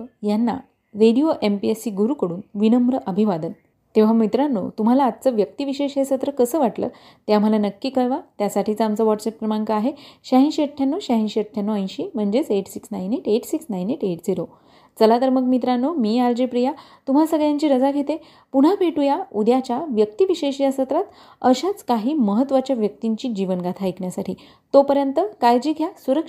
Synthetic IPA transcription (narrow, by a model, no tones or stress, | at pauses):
janːa̰ | ɾeɽijoʔempiesiːɡuɾuːkəɽuːnʋinəmɾəʔəbʱiʋad̪ən | t̪eʋ̤amit̪ɾanːo̰t̪um̤alaːt̪t͡səʋjək̚t̪iʋiɕeɕejsət̪ɾəkəsəːʋaʈlə̰ː | t̪jam̤əlanəkːiːkəɭʋat̪jasaʈʰiːt͡səamt͡səʋɔʈsep̚pɾəmaɳkaːɦeɕaɦĩnɕəʈʰːjanːoɕaɦĩnɕəʈʰːjanːoə̃j̃ɕiːm̤əɳd͡ʑet͡seʈsiksnajneʈeʈsiksnajneʈeʈd͡ziɾo | t͡səlad̪əɾməɡmit̪ɾanːomiːaɾd͡ʑepɾija | t̪um̤asəɡɭjaɲt͡ɕiːɾəd͡zaɡʱet̪e | puɽ̤apʰeʈujaud̪jat͡ɕjaʋjək̚t̪iʋiɕeɕijasət̪ɾat̪ | əɕat͡skaɦiːməɦət̪ːʋat͡ɕjaʋjək̚t̪iɲt͡ɕiːd͡ʑiʋənɡat̪ʰaekɳjasaʈʰiː | t̪opəɾjənt̪əkajd͡ʑiːɡʱjasuɾək